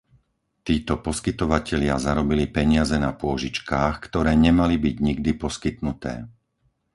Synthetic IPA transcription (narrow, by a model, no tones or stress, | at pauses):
t̪iːt̪ɔpɔskit̪ɔʋacɛʎɪazaɾɔbilipɛɲɪazɛnapʊɔʒit͡ʃkaːxkt̪ɔɾɛːɲɛmalibiɟɲiɡd̪ipɔskit̪nut̪ɛ̰ː